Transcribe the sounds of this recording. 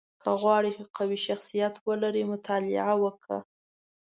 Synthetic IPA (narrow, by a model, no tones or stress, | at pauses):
kʰəɣwɑɽixaqawiʃaxsijat̪wəlaɾimʊt̪ʰɑlɪ̰ʕawəkʰɽa̰